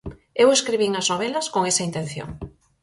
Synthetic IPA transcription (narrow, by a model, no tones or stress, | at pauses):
eweskɾiβiŋɐznoβ̞elɐskoŋesɐint̪en̟θjo̰ŋ